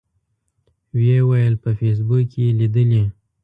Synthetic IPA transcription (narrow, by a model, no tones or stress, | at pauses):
wjewajəlpəfes̬bukjelid̪əle